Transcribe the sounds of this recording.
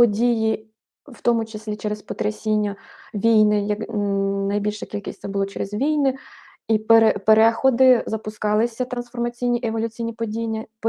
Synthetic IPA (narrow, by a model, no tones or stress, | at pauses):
pɔdʲiji | wt̪ɔmʊt͡ʃesʲlʲit͡ʃɛɾespɔt̪ɾɐsʲinʲːɐʋʲijnɪjɐknɐjbʲilʲʃɐkʲilʲkʲɪsʲsɛbʊlˠɔt͡ʃɛɾɪzʋʲijnɪ | ipeɾepeɾɛxɔd̪ɪzɐpʊskɑlˠɪsʲɐt̪ɾɐnsfɔrmɐt͡sʲijnʲiʔeʋɔlʲʊt͡sʲijnʲipɔdʲijnʲɐp